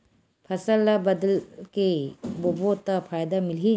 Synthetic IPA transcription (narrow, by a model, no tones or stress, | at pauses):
pʰɐsəlːabɐd̪əlkebobot̪apʰaːjd̪amɪlɦi